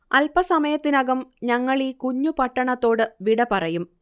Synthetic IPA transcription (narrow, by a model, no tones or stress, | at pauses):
ɐlpɐsɐmɐjɐt̪ːinɐɡɐmɲɐŋːɐɭikuɲːupɐʈːɐɳɐt̪ːo̞ːɽɨʋiɽɐpɐrɐjum